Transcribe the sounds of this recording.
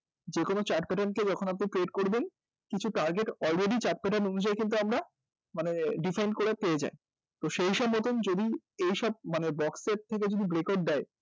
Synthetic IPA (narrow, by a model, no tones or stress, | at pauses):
d͡ʑekonot͡ɕaʈpɛʈanked͡ʑɔkʰonap̬niʈɾeɖkoɾben | kit͡ɕʰuʈaɾɡeʈɔlɾeɖit͡ɕaɾʈ̚pɛʈanonud͡ʑajkint̪̬uamɾa | maneɖifajnɖkoɾepeed͡ʑa̰e | t̪oʃejʃɔbmɔt̪ond͡ʑod̪iejʃɔb̚manebɔkseɾ̚t̪ʰːek̬ed͡ʑod̪ibɾekoɖ̚d̪ae